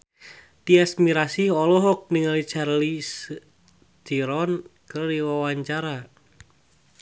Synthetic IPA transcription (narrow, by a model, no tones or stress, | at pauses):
t̪iasmiɾasihɔlɔɦɔk̚niŋalit͡ʃarlis | t̪iɾɔnkɨrdiwawaɲt͡ʃaɾa